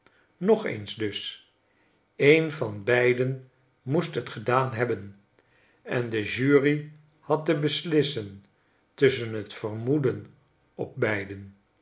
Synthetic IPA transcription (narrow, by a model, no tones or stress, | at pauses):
nɔχḛjnzdɵs | ejnvɑnbɛjdən | mustɦətχədaːnɦɛbən | ɛndəʒyːri | hɑtəbəslɪsən | tɵsənɦətfərmudən | ɔp̚bɛjdən